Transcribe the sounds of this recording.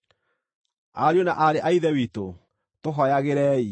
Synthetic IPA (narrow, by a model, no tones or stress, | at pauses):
aɾjonaʔaɾeʔaiðɛwiːto | toɦɔjaɣeɾɛːi